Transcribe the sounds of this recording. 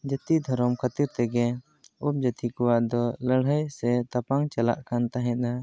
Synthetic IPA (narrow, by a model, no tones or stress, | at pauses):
d͡ʒət̪id̪ʱɔɾɔmkʰat̪iɾt̪ɛɡɛ | up̚d͡ʒət̪ikuwaʔd̪ɔləɽ̤əjsɛt̪apaŋt͡ʃala̰ʔkant̪aɦɛ̃t̪̚a